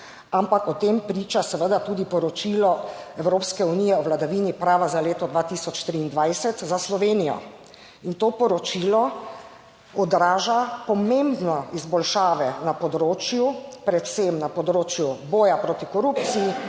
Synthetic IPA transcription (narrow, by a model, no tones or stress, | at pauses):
ampakɔt̪empɾiːt͡ʃasɛʋəd̪at̪uːd̪ipɔɾɔt͡ʃilɔɛwɾoːpskɛuniːjɛɔʋlad̪aʋiːnipɾaːʋazaleːt̪ɔd̪ʋaːt̪isɔt͡ʃt̪ɾiːnd̪ʋajsɛt̪zaslɔʋeːnijɔ̰ | int̪oːpɔɾɔt͡ʃiːlɔ | ɔd̪ɾaːʒapɔmembnɔizbɔlʃaːʋɛnapɔd̪ɾoːt͡ʃjupɾɛt̪semnapɔd̪ɾoːt͡ʃjubɔːjapɾot̪ikɔɾuːp̪t͡ssiji